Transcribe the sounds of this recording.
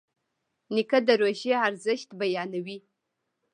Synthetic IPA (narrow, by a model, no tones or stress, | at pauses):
nikəd̪əɾoʒeaɾzəʃt̪bajɑnawi